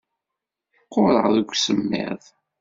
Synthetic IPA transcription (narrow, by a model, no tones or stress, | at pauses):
qːʊɾˤə̰ʁðəɡʷsəmːɪ̰ðˤ